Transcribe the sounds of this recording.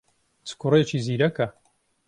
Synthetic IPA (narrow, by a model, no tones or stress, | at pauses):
t͡sɨ̥kuret͡ʃiːziːɾɐkɐ